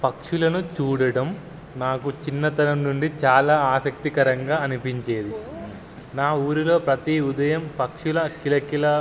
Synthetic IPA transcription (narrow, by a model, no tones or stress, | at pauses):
pɐkʂulɐnut͡ʃuːɽɐɽɐm | naːkut͡ʃinːɐt̪ɐnɐmnuɳɖit͡ʃaːlaːaːsɐk̚t̪ikɐɾɐŋɡaːɐnipiɲt͡ʃe̞ːd̪i | naːuːɾulo̞ːpɾɐt̪iud̪ɐjɐmpɐkʂulɐkilɐkilɐ